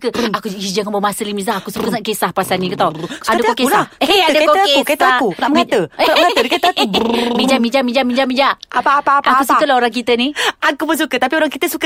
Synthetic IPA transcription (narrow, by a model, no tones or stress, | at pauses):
kəakuid͡ʒaŋanbamasəlimizaakusukəŋaʔkesahpasanĩkət̪awadəkokeslaadəkoket̪akunaʔməŋat̪əlaməŋat̪ədkekumid͡ʒamid͡ʒamid͡ʒamid͡ʒamid͡ʒaapapaʔakːusukəlaɦoɾaŋk̬it̪əniakubəs̬ukət̪apioɾaŋkit̪əsuk